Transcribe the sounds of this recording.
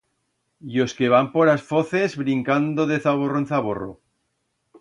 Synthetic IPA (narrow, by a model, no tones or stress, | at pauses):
jo̞skeβampoɾasfoθe̞zβɾiŋkand̪oðeθaβ̞oroenθaβoro̰